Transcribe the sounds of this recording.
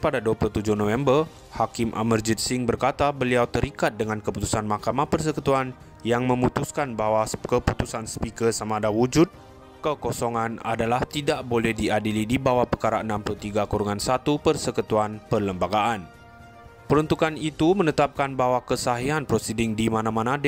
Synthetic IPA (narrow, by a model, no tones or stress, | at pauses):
padaduaplut̪ud͡ʒuhnõfɛmbər | hakɪmʔa̰mərd͡ʒit̪siŋbərkat̪abəliawt̪əɾikat̪̚dəŋankəput̪u̥sanmahkamahpərs̬əkət̪uan | jaŋmə̃mut̪uskanbawakəput̪usanspikərsamadawud͡ʒut̪̚ | kəkosoŋãna̰dalaht̪idaʔbolɛhdiadilidibawahpərkaɾaənãmpulut̪iɡakuɾuŋansat̪upərsəkət̪uanpərləmbaɡaʔan | pəɾunt̪ukanit̪umə̃nət̪ap̚kanbaɦwakəsaɦiɦanpɾosidɪŋdimanãmanad